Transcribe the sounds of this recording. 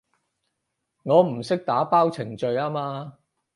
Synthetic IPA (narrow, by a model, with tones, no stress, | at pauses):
ŋɔː˨˧m̩˨˩sɪ˥k̚t̪aː˨˥paː˥wt͡sʰɪ˨˩ŋt͡ʃɵ˧ɥaː˥maː˧